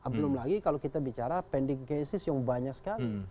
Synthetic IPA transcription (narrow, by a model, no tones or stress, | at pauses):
abəlʊmlaɡikalokit̪abit͡ʃaɾapɛndɪŋkesɪsjaŋbaɲaksə̥kali